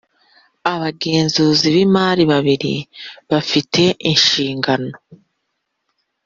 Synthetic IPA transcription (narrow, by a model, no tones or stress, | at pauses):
aβaɡe̞ːnzuːziβimaːɾiβaβiɾḭβafite̞ʔinʃiːŋɡano̞